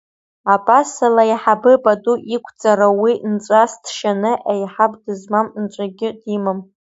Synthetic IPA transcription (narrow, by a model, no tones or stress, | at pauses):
apʼasalajiħabɨbʼadʼuʔikʷʰt͡sʼaɾawint͡sʷʼasdʰʃanɨʔajħabdɨzmamnt͡ʃʷʼaɡʲɪdimɨm